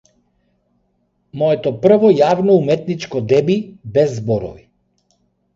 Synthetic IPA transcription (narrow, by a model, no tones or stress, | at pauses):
mɔɛt̪ɔpr̩vɔjavnɔumɛt̪nit͡ʃkɔd̪ɛbibɛzːbɔɾɔ̰vi